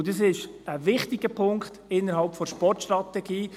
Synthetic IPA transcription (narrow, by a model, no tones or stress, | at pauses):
dəs̬ɪʃ | əvɪχtɪɡ̥əpʰʊŋkχtɪnːəɾɦɑlpfɔʃpɔrtʃtɾɑtɛɡ̥iː